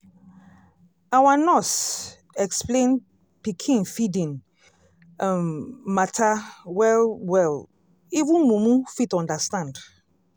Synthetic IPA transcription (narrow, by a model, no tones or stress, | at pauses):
awanɔs | ɛksplẽn | pikʰĩnfidĩn | matʰawɛlwɛl | ivũnmũmũfitɔ̃ndastãnd